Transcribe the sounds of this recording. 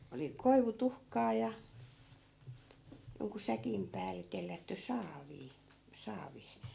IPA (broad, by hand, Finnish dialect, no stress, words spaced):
oli koiʋutuhkɑː jɑ joŋku sækim pæːlˑe telːætːy sɑːʋiː sɑːʋis